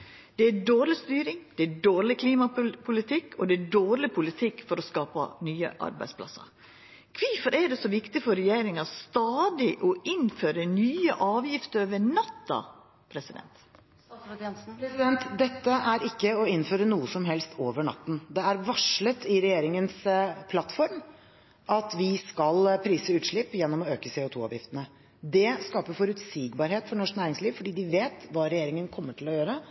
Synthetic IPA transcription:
d̪̥ɛæɖoːɾlɪst̪yːɾɪŋd̪̥ɛæɖoːɾɭɪkʰliːmɑpʰʊlɪt̪ʰɪkːʰɔd̪ɛæɖoːɾlɪpʰʊlɪt̪ʰɪkːfɔɾɔskɑːpɑ̰nyːə̰ʔɑ̰ɾbæ̰ɪspʰlɑ̰sːə̰ɾ | kʰʋɪfɔɾʔæɖɛsɔʋɪkt̪ɪfɔɾɛjeːɾɪŋɑst̪ɑːd̪ɪʔɔɪnføːɾənyːəʔɑːʋjɪft̪əɾʋəɳɑt̪ːɑ̰ | pʰɾɛsɪd̪ɛ̰nt̪ | pɾɛsɪd̪ɛnt̪d̪ɛt̪ːəʔæɾɪkːəɔɪnføːɾənuːəsɔmɦɛlst̪ʰoːʋəɳɑ̰t̪ːn̩d̪ɛæɾʋɑʂɭət̪ʰɪɾɛjeːɾɪŋənspʰlɑt̪ːfɔɾm | ʔɑt̪ʋɪskɑlpʰɾiːsəʉːt̪ʂɭɪpːjɛnːɔmɔøːkəsɛʊt̪ʰṵːɑ̰ːʋjɪ̰ft̪ənə | d̪ɛskɑːpəfɔɾʉt̪siːɡbɑːɾheːt̪fɔɳɔʂknæːɾɪŋsliːʋfɔɖiːd̪ɪʋeːt̪ʋɑːɾɛjeːɾɪŋənkʰɔmːəʈʰɪlɔjøːɾə

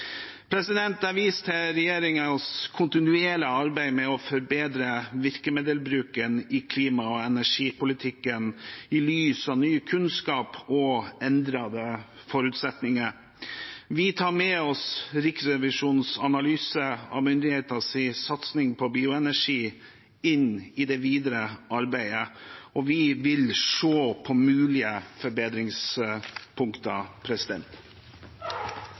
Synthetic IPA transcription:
pʰɾɛsɪd̪ɛnt̪ɑɾʋiːst̪ʰɛɾɛjeːɾɪŋəskʰʊnt̪ɪnʉeːləɑɾbæɪmɛɔfɔɾbeːd̪ɾəʋɪɾkəmeːd̪əlbɾʉːkənɪkʰliːmɑɔɛnæʂiːpʊlɪt̪ʰɪkːənɪlyːsɑʋnyːəkʰʉnskɑːpɔɛnd̪ɾɑd̪ə | fɔɾʉt̪sɛt̪nɪŋə | ʋɪt̪ʰɑːɾmɛɔsɾɪksɾɛʋɪʂuːnsɑnɑlyːsəɑ̰ʋmʏnd̪ɪheːt̪ɑsisɑt̪snɪŋpʰɔbiːʊɛnæʂiː | ɪnɪd̪ɛʋiːd̪ɾəʔɑɾbæɪəʔɔʋɪʋɪlʂoːpʰɔmʉːlɪəfɔɾbeːd̪ɾɪŋs | pʰʊŋkt̪ɑpʰɾɛsɪd̪ɛ̰nt̪

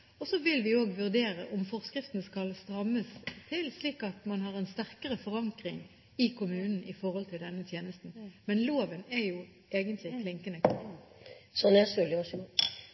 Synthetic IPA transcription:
ɔsɔʋɪlʋɪoːɡʋʉʁd̪eːʁəʔɔmfɔʁskʁɪft̪n̩skɑlst̪ʁɑmːəst̪ʰɪlsliːkɑt̪mɑnɦɑːʁɛnst̪æʁkəʁəfɔʁɑŋkʁɪŋ | ɪkʰʊmʉːnn̩ʔɪfɔʁhɔlt̪ʰɪld̪ɛnːət̪ʰjeːnəst̪n̩mɛnloːʋənɛjʊ | ʔeːɡənt̪ʰlɪkʰlɪŋkənə | sɔnɛsʉlɪʋɑsɡɔ

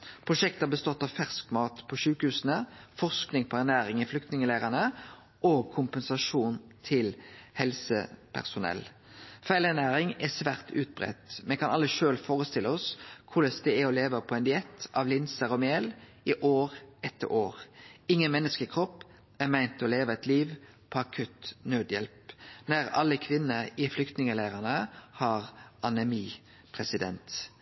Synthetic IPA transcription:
pʰʁʊʂɛk̚t̪əɑbəst̪ɔt̪ːɑʋfæʁskmɑːt̪pʰɔʃʉːkəhʉːsənəfɔʁsknɪŋpʰɔænæːʁɪŋɪflʏk̚t̪nɪŋəlæːʁənə | ʔoːɡ̚kʰʊmpənsɑʂuːnt̪ʰɪlhɛlsə̰pʰæ̰ʁsʊnɛ̰l | fæɪlænæːɾɪŋɛsʋæːʁt̪ʰʉ̰ːt̪̚bʁɛ̰t̪mɛkʰɑnʔɑlːəʃøːlfoːʁəst̪ɪlːəɔskʰʊləsd̪ɛæɔleːʋəpʰɔɛnd̪ɪɛt̪ʰːɑʋlɪnsəʁɔmeːl | ɪʔoːʁɛt̪ʰːə̰ɾʔoːʁɪŋːənmɛnːəskəkʰʁɔpː | æmæɪnt̪ɔleːʋəɛt̪ʰliːʋ | pʰɔɑkʰʉt̪nøːd̪jɛlpnæʁɑ̰lːəkʰʋɪnːəɪflʏkt̪nɪŋəlæːʁənəhɑʁʔɑnɛmiː | pʰʁɛsɪd̪ɛ̰nt̪

